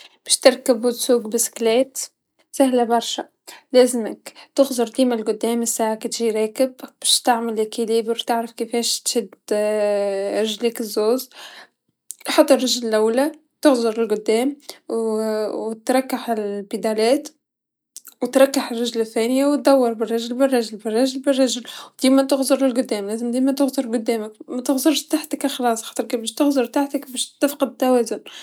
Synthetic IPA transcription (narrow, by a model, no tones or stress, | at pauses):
b̥ɛːʃt̪ɪɾkɪbwɪt̪suːɡbɪsɪ̥kleːt̪ | sahlabɑɾˤʃa | læːzɪmɪkt̪ɪɣzʊɾˤd̪iːmalɡʊd̪ːæːmɪsːaʕakt̪ʒiɾɑːkɪbb̥ɛːʃt̪aʕmɪlʔakiliːbɾt̪ɪʕɾɪfkifeːʃt̪ʃɪd̪ | ɾɪʒliːkɪzːoːz | lħɑt̪ˤːɑrˤːɑʒlɪlʔawːla | t̪ɪɣzˤʊɾˤɪlɡʊd̪ːæːmwwt̪ɾˤɑkːaħɪlbɪd̪ælæːt̪ | wt̪ɾˤɑkːaħɪrˤːɑʒlɪθːæːnɪjawt̪̚d̪ɑwːɑɾˤbɪrˤːɑʒlbɪrˤːɑʒlbɪrˤːɑʒlbɪrˤːɑʒɪlwd̪̥iːmæt̪ɪɣzˤʊɾˤlɪlɡʊd̪ːæːmlæːzɪmd̪iːmæt̪ɪɣzʊɾˤɡʊd̪ːæːmɪkmæt̪ɪɣzʊɾʃt̪aħt̪əkɪxlɑːsˤxɑːt̪ˤəɾkbɛʃt̪ɪɣzʊɾˤt̪aħt̪ɪkbɛːʃt̪ːafqɑd̪t̪ːæwæːzʊn